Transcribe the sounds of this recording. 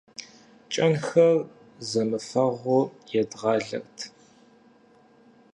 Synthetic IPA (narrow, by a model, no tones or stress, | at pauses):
t͡ʃʼɐnxɐr | zɐmɨfɐʁʷʊjɛdʁɑːɮɐ̰rtʰ